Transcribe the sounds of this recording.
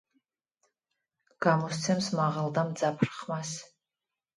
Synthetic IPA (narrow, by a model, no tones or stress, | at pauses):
ɡ̥amɔst̪sʰɛmsmaʁald̪amd̪d͡zapʰrχmas